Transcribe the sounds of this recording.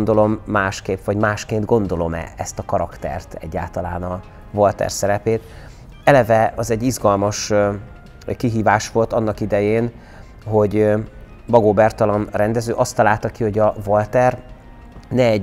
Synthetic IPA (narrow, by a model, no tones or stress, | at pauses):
nd̪olo̞mːaːʃkeːpvɒɟmaːʃkeːnd̪ɡo̞nd̪o̞lo̞mɛ̰ɛst̪ɒkɒɾɒkt̪ɛ̰rt̪ɛ̰ɟːa̰ːlt̪ɒlaːnɒ | volt̪ɛ̰rsɛɾɛpeːt̪ | ɛlɛvɛɒzɛɟːizɡɒlmɒʃ | kiɦiːvaːʃʋo̞lt̪ɒnːɒkid̪ɛjeːn | ɦo̞ɟ | bɒɡoːbɛrt̪ɒlɒnrɛnd̪ɛzøːʔɒst̪ːɒlaːlt̪ɒkiho̞ɟɒvolt̪ɛr | nɛːɟ